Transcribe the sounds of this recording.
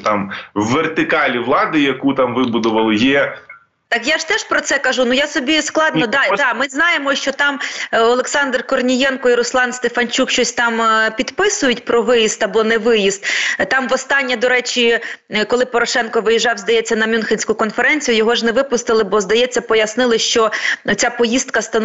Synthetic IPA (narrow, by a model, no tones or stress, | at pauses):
t̪ɑmʋːert̪ɪkɑlʲiʋlˠɑd̪ɪjɐkut̪ɑmʋɪbʊd̪ʊʋɐlˠɪjɛ | t̪ɑkjaʒt̪ɛʃpɾɔt̪sɛkɐʒunujasɔbʲisklˠɑd̪nnɔd̪ɑd̪ɑmɪznɑjemɔʃt͡ʃɔt̪ɑmɔlˠeksɑnd̪rkɔrnʲijɛnkɔiɾʊslˠɑnst̪efɐnʲt͡ʃukʃt͡ʃɔsʲt̪ɑmpʲid̪pɪsʊjʊtʲpɾɔʋɪjist̪ɐbɔnɛʋɪjist̪̚t̪ɑmʋɔst̪ɑnʲːɐd̪ɔɾɛt͡ʃikɔlˠɪpɔɾɔʃɛnkɔʋɪjiʒɑwzd̪ɐjɛt͡sʲːɐnɐmʲunxʲɪnʲsʲkʊkɔnfeɾɛnʲt͡sʲijʊjɔɦɔʒnɛʋɪpʊst̪ɪlˠɪbɔzd̪ɐjɛt͡sʲːɐpɔjɐsnɪlˠɪʃt͡ʃɔɔt͡sʲapɔjist̪kɐst̪ɐn